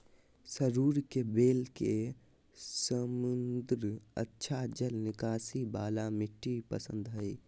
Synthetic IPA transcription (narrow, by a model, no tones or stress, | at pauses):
səɾuːɾkebeːlke | səmʊnd̪ɾə̰tːʃʰad͡ʒəlnɪkaːsibaːlamɪʈːipə̰sə̃nd̪ʱɦəj